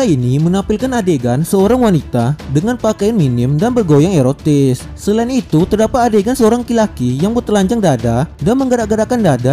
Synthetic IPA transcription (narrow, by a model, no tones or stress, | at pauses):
ainimənapɪlkanadeɡansəoɾaŋwanit̪adəŋanpakajanminɪmdanbərɡojaŋeɾot̪ɪsːəlainit̪ut̪ərdapat̪̚adeɡansəoɾaŋkilakijaŋbərt̪əlaɲd͡ʒaŋdadadanməŋɡəɾaʔɡəɾakandada